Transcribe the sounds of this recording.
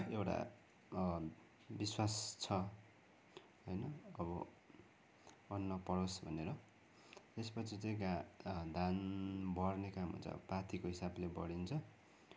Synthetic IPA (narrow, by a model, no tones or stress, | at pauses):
ewʈa̰ | biswast͡sʰʌ | ɦʌjnʌːbʌ | nːʌpʌɽosbʱʌneɾʌ | t̪espʌt͡sʰit͡sʌ̃j̃ɡad̪ʱanbʌrnekamɦṵnt͡sʰʌ̰pat̪ʰikoɦisablebʌ̰ɽint͡sʰʌ